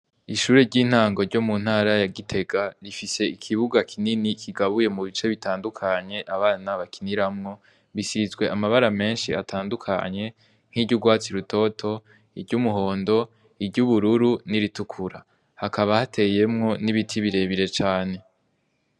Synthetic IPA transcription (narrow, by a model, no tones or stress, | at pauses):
iʃuːɾeɾɟiːn̥haːŋɡo̞ɾɟo̞mun̥haːɾajaɡitʰe̞ɡaɾifise̞ikʰiβuɡakʰininikʰiɡaβuje̞muβit͡ʃe̞βitaːndukʰaɲe̞ʔaβaːnaβakʰiniɾamŋo̞ | βisizɡwe̞ʔamaβaɾame̞ːnʃiatʰaːndukʰa̰ɲe̞ | ŋ̥hiɾɟuɡwaːt͡siɾutʰo̞tʰo̞ | iɾɟumuɦo̞ːndo̞ | ibɟuβuɾuɾuniɾitukʰuɾa | hakaβahatʰe̞je̞mŋo̞niβitʰiβiɾe̞βiɾe̞t͡ʃaːne̞